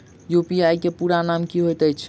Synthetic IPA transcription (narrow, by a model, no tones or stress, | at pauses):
jopiajkepuɾanamkiɦojt̪əjt͡ʃʰ